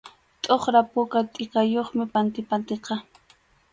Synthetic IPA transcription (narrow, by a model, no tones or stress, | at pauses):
t̪ʼoχɾapʊkat̪ʼɪkajoχmɪpant̪ɪpant̪eqɑ